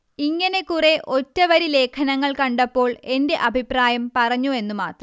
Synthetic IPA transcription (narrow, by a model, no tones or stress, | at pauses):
iŋːɐne̞kure̞ʔo̞tːɐʋɐɾile̞ːkʰɐnɐŋːɐɭkɐɳɖɐpːo̞ːɭe̞nde̞ʔɐbʱipraːjɐmpɐrɐɲːue̞nːuma̰ːt̪rɐ